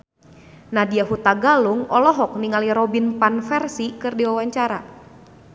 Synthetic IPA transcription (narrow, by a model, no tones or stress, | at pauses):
nadiaɦut̪aɡaluŋɔlɔɦɔk̚niŋaliɾɔbinpanfɛrsikɨrdiwawaɲt͡ʃaɾa